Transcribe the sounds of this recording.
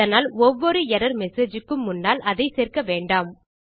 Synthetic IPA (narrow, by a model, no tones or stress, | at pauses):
ɐnaːlɔʋːɔɾɯɛɾɐɾmɛseːd͡ʒɯkːɯmːʊnːaːlʔɐðɐɪseːrkɐʋeːɳɖaːm